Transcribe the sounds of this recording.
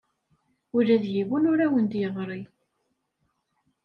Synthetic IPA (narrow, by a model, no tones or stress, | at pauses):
ʊɾæðjiwunʊɾæwənd̪jəðˤɾˤi